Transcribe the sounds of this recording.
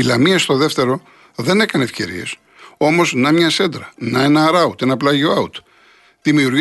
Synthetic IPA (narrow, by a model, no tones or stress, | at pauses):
ilɐmiɐst̪o̞ðe̞ft̪e̞ɾo̞ | ðe̞nekɐne̞fce̞̰ɾḭe̞̰s | o̞mo̞znɐmɲɐse̞nd̪ɾɐnɐe̞nɐːɾɐut̪e̞nɐplɐʝio̞ɐut̪ | ðimiuɾ